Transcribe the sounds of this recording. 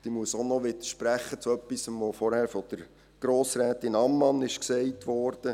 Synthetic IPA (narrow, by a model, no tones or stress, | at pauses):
d̥imuəsonɔʋɪd̪əʃpɾæχːət͡suœpːisəmʋofɔɾhæːɾfɔd̥̪əɾ | ɡ̥ɾoːsɾæːt̪ɪnɑmːɑnɪʃksɛɪtʋɔːɾd̥ə